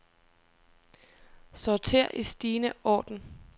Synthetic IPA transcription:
sɒt͡sʰe̝̰ɐ̰ʔisd̥iːnəʔɒ̰ːd̥n̩

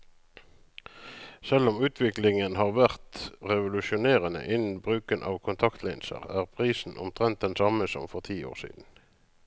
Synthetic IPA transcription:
sɛlʊmʉːt̪ʰʋɪklɪŋənhɑːʁʋæʁt̪ʁɛʋʊlʉʃʊneːʁənə̰ʔɪn̩bʁʉːkənʔɑ̰ːʋkʰʊnt̪ʰɑkt̪lɛɪnsə̰ʁæːʁpʰʁiːsn̩ʔʊ̰mt̪ʰʁɛnt̪̚d̪ɛnsɑməsɔ̰mfɔʁt̪ʰiːo̰ːʁsḭːd̪n̩

